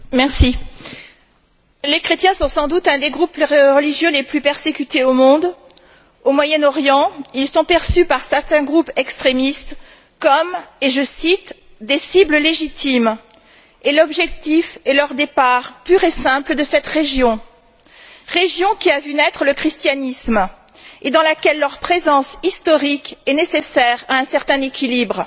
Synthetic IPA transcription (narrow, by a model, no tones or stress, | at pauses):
mɛʁsi | lekχet̪jɛ̃sɔ̃sɑ̃d̪ut̪ɛ̃d̪eɡʁupʁəliʒjøleplypɛʁsekʲyt̪eomɔ̃d̪ | omwajɛnɔʁjɑ̃ilsɔ̃pɛʁsypaʁsɛʁt̪ɛ̃ɡʁupɛkst̪χemist̪ | kɔmeʒəsit̪ | d̪esibləleʒit̪im | elɔbʒɛk̚t̪ifɛlœʁd̪epaʁpyʁesɛ̃pləd̪əsɛt̪ʁeʒjɔ̃ | ʁeʒjɔ̃kʲiavynɛt̪χələkχist̪janism | ed̪ɑ̃lakʲɛlːœʁpχezɑ̃sist̪ɔʁikɛnesesɛʁaɛ̃sɛʁt̪ɛ̃nekʲʰilibʁ